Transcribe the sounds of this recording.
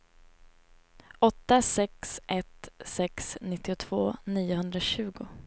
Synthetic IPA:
ɔt̪ːasɛksʔɛt̪sɛksnɪt̪ːɪʊt̪ʰv̥oːniːʊɦɵnd̪ɾaɕʉ̟ːɡʊ

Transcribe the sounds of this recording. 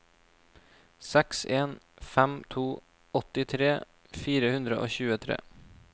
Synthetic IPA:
sɛkseːn | fɛmt̪ʰuː | ɔt̪ɪt̪ʰɾeː | fiːɾəhʉnd̪ɾəʔo̰ːçʉːət̪ʰɾḛː

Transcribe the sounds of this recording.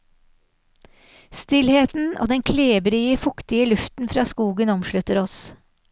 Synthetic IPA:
st̪ɪlheːt̪n̩o̰ːd̪ɛŋkʰleːbɾyːəfʊkt̪ɪəlʉft̪n̩fɾɑːskuːɡənɔmʃɭʉt̪əɾɔs

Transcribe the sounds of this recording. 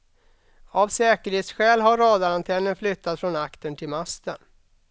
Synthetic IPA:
avsɛːkəɾheːt̪sɧɛːlɦaɾɑːd̪aɾant̪ʰɛnːənflʏt̪ʰːat̪fɾɔnakt̪ənt̪ʰɪlmast̪ən

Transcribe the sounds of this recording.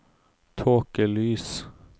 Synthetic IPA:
t̪ʰoːkəlyːs

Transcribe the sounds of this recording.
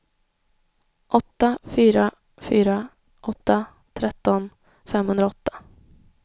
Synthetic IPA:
ʔɔt̪ːafyːɾa | fyːɾa | ʔɔt̪ːa | t̪ʰɾɛt̪ːɔn | fɛmhɵnd̪ɾaɔt̪ːḁ

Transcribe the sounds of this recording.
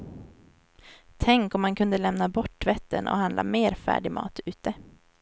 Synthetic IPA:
t̪ʰɛŋkɔmhankʰɵnd̪əlɛmnabɔʈːvɛt̪ːə̰nʔɔ̰hand̪la̰meːɾfæ̰ːɖɪmɑ̰ːt̪ʉ̟ːt̪ə

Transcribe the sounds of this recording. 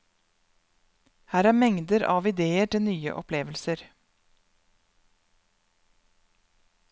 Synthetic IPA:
hæːɾæːɾmɛŋd̪əɾʔɑ̰ːʋɪd̪eːəʈɪlnyːə̰ʔɔpʰleːʋəlsəɾ

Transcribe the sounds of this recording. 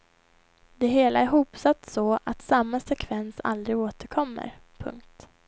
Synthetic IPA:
d̪ɛɦeːlaæɾɦuːpsat̪ːsɔʔat̪samːasɛkʰvɛnsa̰ld̪ɾɪɡoːt̪əɾkʰɔmːə̰ɾpʰɵ̰ŋk̚t̪

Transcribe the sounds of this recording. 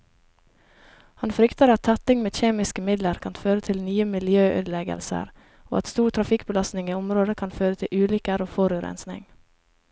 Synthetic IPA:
hɑnfɾʏkt̪əɾɑt̪ʰːæt̪ɪŋmeːçeːmɪskəmɪd̪ləɾkʰɑnt̪føːɾət̪ʰɪlnyːəmɪljøːʔø̰ːd̪lɛɡə̰lsə̰ɾ | o̰ːɑt̪st̪uːʈʰɾɑfɪkbəlɑst̪nɪŋiːʊmɾoːd̪əkʰɑnføːɾət̪ʰɪlʔʉːlʏkəɾoːfɔɾʉɾɛ̰nsnɪ̰ŋ

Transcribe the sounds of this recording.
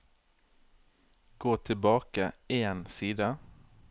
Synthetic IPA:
ɡ̥oːt̪ʰɪlbɑːkaensiːd̪a

